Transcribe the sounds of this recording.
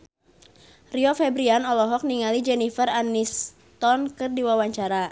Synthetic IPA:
riɔfɛbɾianɔlɔɦɔk̚niŋalid͡ʒɛnifəranis | t̪ɔnkɨrdiwawaɲt͡ʃaɾa

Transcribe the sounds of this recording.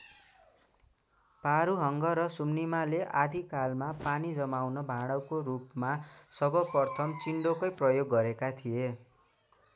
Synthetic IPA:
paɾuɦʌŋɡʌɾʌsumnimaleʔad̪ʱikalmapanid͡zʌmawnʌbʱaɽ̃ʌwkoɾupmasʌbʌpʌrt̪ʰʌmt͡siɳɖokʌjprʌjoɡːʌɾekat̪ʰije

